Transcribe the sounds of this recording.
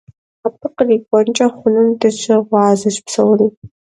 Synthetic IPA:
apʰɨqəriːkʷʼɔnt͡ʃʼɐχʷʊnɨmdɐt͡ʃɐʁʷɑːzɐɕpsɐwriː

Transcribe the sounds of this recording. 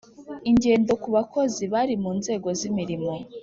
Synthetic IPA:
iɲɟe̞ːndo̞kuβakʰo̞ziβaɾimuːnze̞ːɡo̞zimiɾimo̞

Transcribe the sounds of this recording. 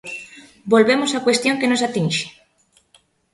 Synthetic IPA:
bolβemosakwest̪jõŋkenosat̪ĩnʃe̥

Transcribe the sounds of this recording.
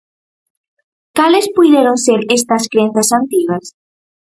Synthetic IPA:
kalɪspujðeɾonseɾest̪ɐskɾẽnθɐsant̪iɣɐs

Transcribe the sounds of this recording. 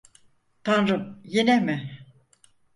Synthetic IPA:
t̪ʰanɾɯmjenɛmɪ

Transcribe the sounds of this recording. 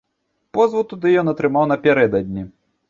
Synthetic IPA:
pɔzvut̪ud̪ɨjɔnɐt̪ɾɨmawnɐpʲɛɾɛd̪ɐd̪ʲnʲi

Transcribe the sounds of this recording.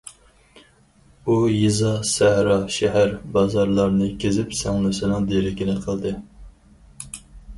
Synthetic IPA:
ujizɑsæhɾɑʃɛɦæɾbɑzɑɾlˠɑɾnɨkʲʰezɪpsɛŋlˠɪsɪnɨŋd̪eɾɪkʲinɪqʰəlˠd̪ɨ

